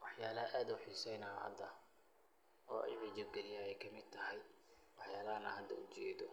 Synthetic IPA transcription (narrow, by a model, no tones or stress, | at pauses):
wɑħjaːlɐʔaːd̪ʊħisɛjnɐɐ̰d̪ɐ | ɔːɛ̰jʕid͡ʒɐb̚ɡɛlɪjaːɛjkʰɐmɪd̪̚t̪ʰɐhɛj | wɑħjaːlɐɦɐnɐhɐd̪ʰɐʊt͡ʃɛːd̪ɔ